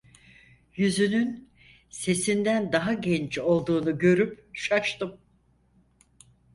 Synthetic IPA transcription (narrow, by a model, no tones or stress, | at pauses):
jyzynyn | se̞sind̪ænd̪aɦaɟɛnt͡ʃo̞lˠd̪uːnuɟø̞ɾypʃaʃt̪ɯm